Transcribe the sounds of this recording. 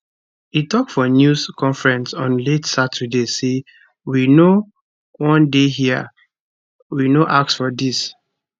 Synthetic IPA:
itɔk̚tfɔnjuskʰɔ̃ɱfɹɛ̃nsɔ̃nletsatʰədese | wino | wɔ̃ndeɦia̰ | winoʔaksfɔdis

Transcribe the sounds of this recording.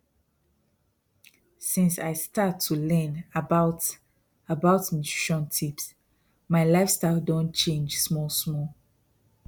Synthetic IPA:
sĩnsa̰ɪstʰatʰːulɛ̃nbaʊt | abaʊtĩntiʃɔ̃ntʰips | maɪlaɪfstaɪldõnt͡ʃẽnd͡ʒsmɔlsmɔl

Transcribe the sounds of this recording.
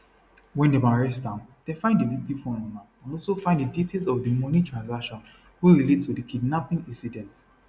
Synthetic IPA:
wɛ̃ndemaɹɛtãʊ̃nd̥efãɪ̃ndivik̚tifɔ̃nɔ̃na | ãnɔlsofãɪ̃ndiditʰezɔvdimɔnitʰɹãnsakʃɔ̃n | wuɹiletstudəkʰidnapĩŋĩnsidɛ̃nt

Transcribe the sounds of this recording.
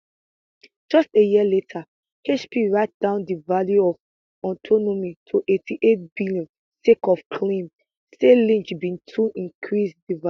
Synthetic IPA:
d͡ʒɔstejiletʰa | het͡ʃpʰiɹaɪt̚d̥ãʊ̃ndivaljuɔv | ɔtʰɔnomitʰuʔetʰiʔet̚bilɔ̃ | sekɔfkʰlĩm | selĩnt͡ʃbĩntʰuʔĩnkʰɹisdiva

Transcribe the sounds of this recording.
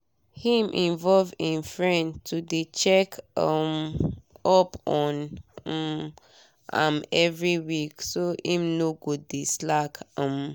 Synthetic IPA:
hĩmʔĩnvɔlvĩnfɹɛ̃ntudet͡ʃɛkam | ɔpɔ̃nm | ã̰mɛvɹiwiksoĩmnoɡodislakãm

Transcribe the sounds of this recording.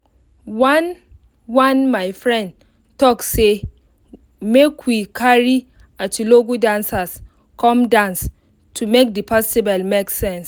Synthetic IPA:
wãn | wãnmaɪfɹɛ̃nd | tɔkse | mekwikʰaɹi | atuloɡudãnsas | kʰɔ̃mdãns | tʰumek̚dipʰɔstibɛlmeksɛ̃ns

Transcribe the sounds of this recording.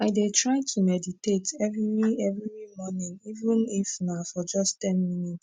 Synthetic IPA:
aɪdetʰɹaɪtʰumɛditetɛviwiɛvɾiimɔnĩŋivə̃nifnafɔd͡ʒʌsttɛ̃nminits

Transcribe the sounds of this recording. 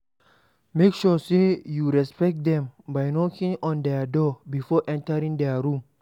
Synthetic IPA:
mekʃusejuɹɛspɛk̚t̚d̪ɛ̃mbajnɔkʰĩŋɔ̃nd̪ɛdɔbifɔʔɛ̃ntəɾĩŋd̪ɛɹũm

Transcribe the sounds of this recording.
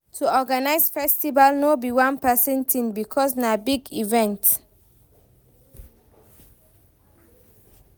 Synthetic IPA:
tʰuɔɡanaɪsfɛstivalnobiwãnpɛsɛ̃ntʰĩmbikʰɔsnabiɡivɛ̃nt

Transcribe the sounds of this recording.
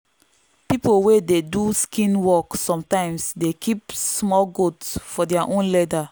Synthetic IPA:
pipowededuskĩnwɔksɔ̃mtãɪ̃msdekʰipsmɔlɡotsfɔdɛaʔõnlɛda

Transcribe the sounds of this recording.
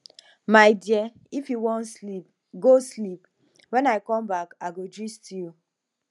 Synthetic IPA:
maɪdiɛ | ifjuwɔ̃nsip | ɡoslip | wɛ̃naɪkɔ̃mbakaɪɡodɹistiul

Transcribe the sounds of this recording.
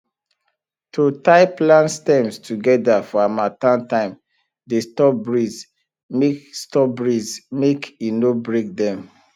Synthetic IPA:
tʰutaɪplãnstɛ̃mstʰuɡɛdafɔamatãntãɪ̃m | destɔp̚bɹiz | mekstɔp̚bɹizmekinobɹek̚dɛ̃m

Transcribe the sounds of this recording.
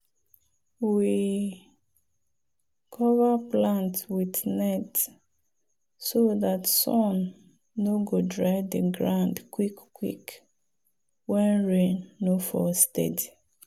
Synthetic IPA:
wi | kʰɔvaplãntwitnɛt | soðatsɔ̃nː | oɡodɹaɪdəɡɹãʊndkwikkːwḭk | wɛ̃nɹẽnːofɔ̰stɛ̰di

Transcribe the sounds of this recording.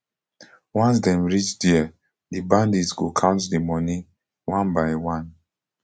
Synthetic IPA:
wɔ̃ns̬dɛ̃mɹit͡ʃdiə | dibãndisɡokʰãʊ̃ntdimɔnĩ | wãnbaɪwãn

